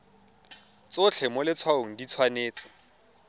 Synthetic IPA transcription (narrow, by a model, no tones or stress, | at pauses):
t͡sʊt͡ɬʰɛmɔlɪt͡sʰwaʊŋ̩dit͡sʰwaneːt͡sɪ̥